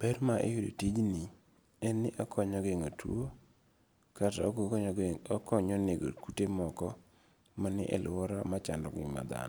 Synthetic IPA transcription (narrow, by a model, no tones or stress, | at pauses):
pɛrmaʔḛjodotid͡ʒni | ɛnːɪʔakʰɔɲɔɡeŋotʰuo | kata | ɔkɔɲɔneɡo̰kutemɔkɔ | manɪ̰ʔɛlɔɾamat͡ʃa̰ndɔ̰ɡɪ̰ma̰d̪a̰n